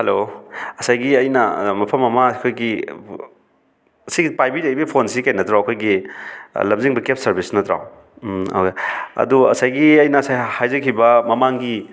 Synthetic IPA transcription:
hɐloɐsajɡiɐjnɐmɐpʰɐmɐmɐkʰojɡi | ɐsiɡipajbidejbɐpʰonsikajnɐtɾawɐkʰojɡi | lɐmziŋbɐkep̚sɐɾbisnɐtɾa̰w | a̰keɐ̰duɐ̰sajɡiɐjnɐːsajhajzɐkʰibɐmɐmaŋɡi

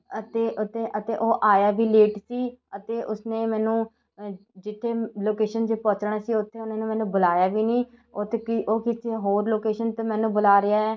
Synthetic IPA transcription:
ət̪eːʔʊt̪ʰːeːʔət̪eːʔoːʔaːjaːʋiːleːʈsiːət̪eːʔʊsneːmɛːnũː | d͡ʒɪt̪ʰːeːloːkeːʃənd͡ʒeːpɔt͡ʃɳaːsiːʊt̪ʰːeːʊnãːnẽːmɛːnũːbʊlaːjaːʋiːniːoːt̪ːkioːkɪt̪ʰːeɦoːɾloːkeːʃənt̪əmɛ̃ːnũːbʊlaːɾɪaːɛː

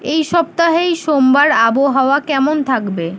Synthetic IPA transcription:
ejʃɔb̚t̪aɦejʃombaɾaboɦaoakɛmont̪ʰakbe

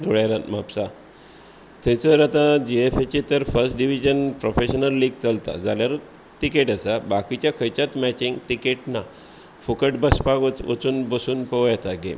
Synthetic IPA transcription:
d̪ʱoɭjaɾat̪mapsa | t̪ʰɛ̃t͡səɾat̪ãd͡ʑeefet͡ɕet̪əɾfəɾsʈɖiʋid͡ʑənpɾofeɕənəlːiːɡt͡səlt̪a̰d͡zʱaljaɾ | t̪ikeʈəsabakit͡ɕjakʰəjt͡ɕat̪mɛt͡ɕĩŋɡʈikeʈna | fukəʈbəspaɡət͡sʋə̰t͡suːnbəsuːnpəʋjat̪aɡḛm

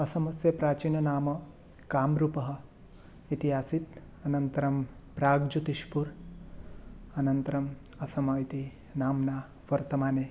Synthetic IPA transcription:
ɐsɐmɐsjɐpɾaːt͡ʃiːnɐnaːmɐ | kaːmɾupɐɦɐ̆ | it̪iɦaːsit̪ | ɐnɐnt̪ɐɾɐmpɾaːɡd͡ʒut̪iʃpuɾ | ɐnɐnt̪ɐɾɐm | ɐsɐmɐit̪i | naːmnaː | ʋɐɾt̪ɐmaːneː

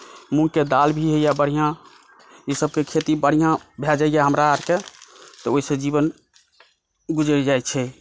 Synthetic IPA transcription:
mũked̪albʱiɦejabəɽ̤ijã | isəb̚kekʰet̪ibəɽ̤ijãbʱɛd͡ʒaɪjaɦəmɾaːɾket̪ɔoisə̃d͡ʒiβən | ɡud͡ʒɾid͡ʒajt͡ʃʰɛ

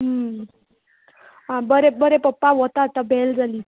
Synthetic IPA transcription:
ɦə | ɦãbəɾebəɾepəpːaʋɔt̪at̪abʱeld͡zali

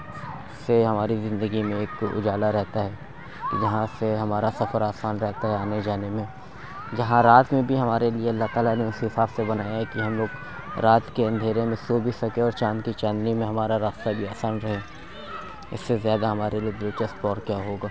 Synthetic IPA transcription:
sːeɦɐmaːɾizɪ̃nd̪əɡimẽeːkʊ̰d͡ʒaːlaɾɛɦt̪aɦɛː | kid͡ʒɐɦãseɦɐmaːɾasɐfəɾaːsaːnɾɛɦt̪aɦɛaːned͡ʒaːnemẽ | d͡ʒɐɦãɾaːt̪mẽbʱiɦɐmaːɾelieɐlːaɦt̪aːlaneʊsɦɪsaːbsebɐnaːjaɦɛkiɦɐmloːɡ | ɾaːt̪keɐ̃nd̪ʱeːɾemẽsoːbʱisɐkẽɔːɾt͡ʃãːnkit͡ʃãːnd̪əɾimẽɦɐmaːɾaɾaːst̪abʱiaːsaːnɾɐɦẽ | ɪ̰sːezjaːd̪aɦɐmaːɾʔelied̪ʊt͡ʃɐst̪pɔːɾkjaɦoːɡaː

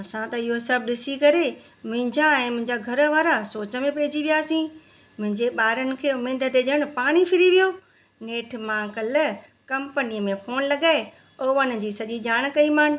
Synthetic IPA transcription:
ɐsãt̪ɐɪɦosɐb̚ɗɪsikɐɾe | mʊ̃ɦɪ̃ɲd͡ʑaɛ̃ːmʊ̃ɦɪ̃ɲd͡ʑaɡʱɐɾə̆ʋaːɾasoːt͡ɕə̆mẽpeːɪd͡ʑiʋijaːsĩ | mʊ̃ɦɪ̃ɲd͡ʑeɓaːɾənɪ̆kʰeːʊmeːd̪ʱət̪eʄəɽ̃̆paːɽ̃ifɪɾiʋijoː | neːʈʰmãːkələ | kɐ̃mpəniəmẽfoːnlɐɡaːe | oːʋən̆d͡ʑiːsɐʄiʄaːɽ̃kɐimaːn̆

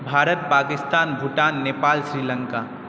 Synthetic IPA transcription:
bʱaːɾət̪̚paːkɪst̪aːnbʱuʈaːnːeːpaːlsɾiːlə̃ŋkaː

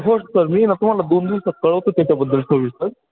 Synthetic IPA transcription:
ɦossəɾmiːnat̪um̤alad̪oːnd̪iʋsət̪̚kəɭəʋt̪ot̪jat͡ɕjabəd̪ʱːəlsoʋisəɾ

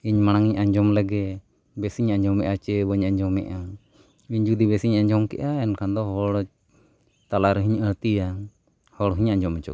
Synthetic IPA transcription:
iɲmaɽ̃aŋiɲʔaɲd͡ʒɔmlɛɡɛ | bɛsiɲaɲd͡ʒɔmɛʔat͡ʃɛbəɲaɲd͡ʒɔmɛ̰ʔa | biɲd͡ʒud̪ibɛsiɲaɲd͡ʒɔmkɛ̰ʔaɛnkʰand̪ɔɦɔɽ | t̪alaɾɦiɲəɽt̪ija | hɔɽɦiɲaɲd͡ʒɔmɛt͡ʃɔ̰

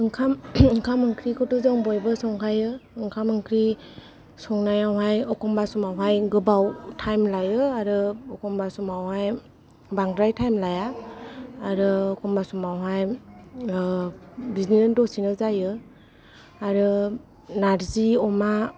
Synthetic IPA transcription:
ɯŋkʰamɯŋkʰamɯŋkʰɾikʰɔtɔzaŋbɔjbɯsɔŋkʰajɯɯŋkʰamɯŋkʰɾi | sɔŋnajawɦajɔkɔmbasumawɦajɡɯbawtʰajmlajɯaɾɯɔkʰɔmbasumawhaj | baŋdɾajtʰajmlajaː | ɾɯɔkʰɔmbasumawɦaj | biznindɔsinɯzajɯ | aɾɯ | naɾziɔma

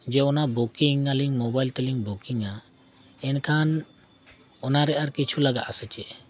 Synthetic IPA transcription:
d͡ʒɛɔnabukiŋaliŋmɔbajlt̪ɛliŋbukiŋa | ɛnkʰan | ɔnaɾɛʔaɾkit͡ʃʰulaɡaʔasɛt͡ʃɛʔ

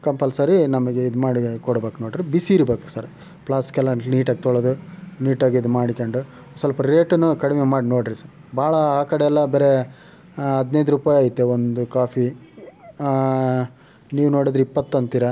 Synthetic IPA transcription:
kɐmpɐlsɐɾinɐmɐɡeid̪umaːɽikɔɽbeːkunoːɖɾibisiːɾbeːku̥sɐɾ | pɭaːskɐlɐɳniːʈaːɡet̪ɔɭod̪uniːʈaːɡid̪umaːɽikɐɳɖu | sɐlpɐɾeːʈnːukɐɽimemaːɽinoːɽɾisɐɾ | baːɭɐaːkɐɽeɛlːɐbeːɾe | ɐd̪nɐjd̪uɾupaːjaːjit̪ːeond̪ukaːpʰi | niːʋuno̞ːɽid̪ɾuipːɐt̪ːɐnt̪iːɾɐ

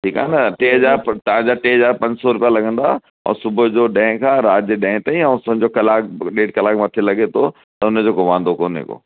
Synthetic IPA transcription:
ʈʰiːka̰ːnɐʈeːɦɐzaːɾt̪ɐʋ̤ãd͡ʑaʈeːɦɐzaːɾpɐ̃ɲd͡ʑsɔɾʊpijalɐɡʱə̃nd̪a | ɛ̰̃ːsʊbʱʊd͡ʑoːɗɛ̃ːɪ̃kʰãːɾaːd͡ʑəɗɛ̃ɦt̪aĩɛ̃ːsɐ̃ɲd͡ʑokɐlaːkɗeːɖkɐlaːkmɐt̪ʰelɐɡet̪ʰo | t̪ɐʊnəd͡ʑoːkoʋãːnd̪okoːnɦḛko̰ː

